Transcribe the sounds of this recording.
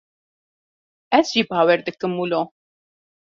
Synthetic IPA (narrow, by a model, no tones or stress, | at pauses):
ɛzʒiːbɑːwɛɾd̪ɨkɨmːuloː